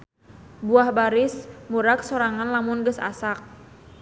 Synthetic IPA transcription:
buahbaɾɪsmuɾak̚soɾaŋanlamʊnɡəsa̰sak̚

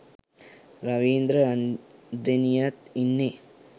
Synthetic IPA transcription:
ɾɐʋiːnd̪ɾɐɐd̪enijɐt̪inːe

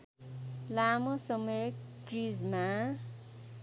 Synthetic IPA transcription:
lamʌsʌmʌjkrid͡zma

